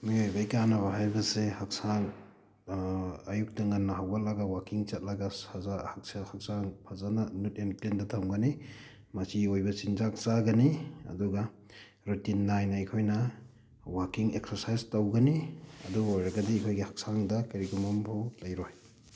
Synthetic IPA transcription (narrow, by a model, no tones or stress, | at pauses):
miojbajkanɐβɐɦajbɐsehak̚saŋ | ajuk̚tɐŋɐnːɐɦawɡɐlɐɡawakiŋt͡ʃɐt̚lɐɡasazahak̚sahak̚saŋpʰazanɐnut̚emtlendɐtʰamɡɐni | mɐsiojbɐsinzak̚saɡɐniɐ̰duɡa | ɾutinːajnɐekʰojnɐ | wakiŋek̚sɐɾsajztawɡɐniɐ̰duɡojɾɐɡɐdiekʰojɡihak̚saŋdɐkɐɾikumampʰolɐjɾoj